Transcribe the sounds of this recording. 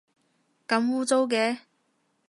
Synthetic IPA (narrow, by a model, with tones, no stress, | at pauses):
kɐ˨˧˥mwuː˥t͡so˥wkɛː˨˥